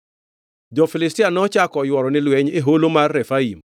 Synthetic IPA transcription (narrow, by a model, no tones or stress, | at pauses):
d͡ʒɔfilɪstɪanɔt͡ʃakɔjwɔɾɔnɪlwɛɲeɦolomarːɛfaim